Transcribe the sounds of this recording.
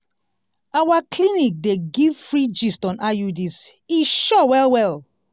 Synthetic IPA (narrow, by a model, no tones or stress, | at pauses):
awaklinik̚deɡivfɹid͡ʒistɔ̃nʔajudisiʃɔwɛlwɛl